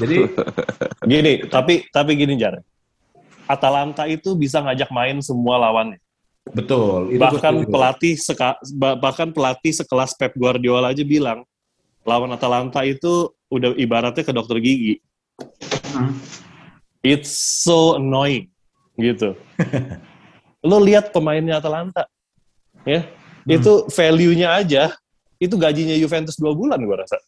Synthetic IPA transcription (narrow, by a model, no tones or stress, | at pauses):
d͡ʒadi | ɡinit̪apit̪ap̬iɡinid͡ʒaɾɛ | at̪alant̪ait̪ubis̬aŋad͡ʒak̚maɪnsəmualawanja | bət̪ʊlibahkanpəlat̪isəkababahkanpəlat̪isəkəlaspɛp̚ɡuardialad͡ʒabilaŋ | lawanat̪alant̪ait̪u | udahʔibaɾat̪̚ɲakədɔk̚t̪ərɡiɡi | ɪt̪soənojn | ɡit̪u | loliat̪̚pəmaɪnɲaːt̪alant̪a | jait̪ufelijuɲaːd͡ʒa | it̪̬uɡad͡ʒiɲajufɛnt̪ʊsduabulanɡuaɾasa